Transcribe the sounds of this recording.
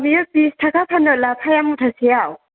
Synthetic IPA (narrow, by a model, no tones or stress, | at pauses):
bijɔpistʰakapʰanɔlapʰajamutʰasijaw